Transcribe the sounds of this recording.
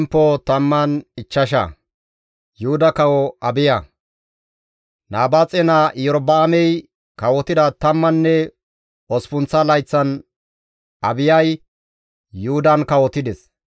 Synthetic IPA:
mpːɔt̪ɐmːɐnɪt͡ʃːɐʃ̬ɐ̰ | jʊhʊd̪ɐkɐwɔɐbɪjɐ | naːbaːt͡sʼɛnaʔjɔɾɔbaːmɛj | kɐwɔt̪ɪd̪ɐt̪ɐmːɐnːɛ | ɔspʊnt͡sːɐlɐjt͡sːɐn | ʔɐbɪjɐj | jʊhʊd̪ɐnkɐwɔt̪ɪd̪ɛs

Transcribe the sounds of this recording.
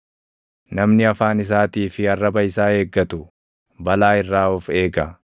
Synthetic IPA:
nɐmnɪɐfaːnɪs̬aːt̪iːfɪɐrːɐbɐɪsaːe̞ːɡːɐt̪ʊ | bɐlaːɪrːaːɔfe̞ːɡɐ

